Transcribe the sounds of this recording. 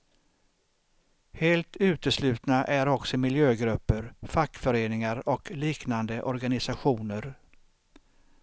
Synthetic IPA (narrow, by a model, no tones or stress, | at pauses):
heːlt̪ʰʉ̟ːt̪əslʉ̟ːt̪naʔæɾɔksɔmɪljøːɡɾɵpːəɾfakːfœɾeːnɪŋaɾɔkliːknand̪əʔɔɾɡanɪsaɧuːnəɾ